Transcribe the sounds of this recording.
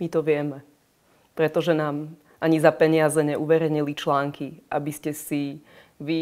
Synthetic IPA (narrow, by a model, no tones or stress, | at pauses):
mit̪ɔʋɪɛmɛ | pɾɛt̪ɔʒɛnaːm | ʔaɲizapɛɲɪazɛɲɛʔuʋɛɾɛɲilit͡ʃlaːŋkiʔabiscɛsi | ʋi